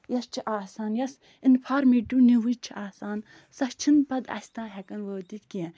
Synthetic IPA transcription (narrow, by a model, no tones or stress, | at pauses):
jɐst͡ʃʰiʔaːsaːnjɐs | inpʰaːɾmiʈuniwɨt͡ʃʰiʔaːsaːn | sɐst͡ʃʰinpɐd̪ɐ̰sʲt̪ãːɦɛkɐnʋəːt̪it̪kiɛ̃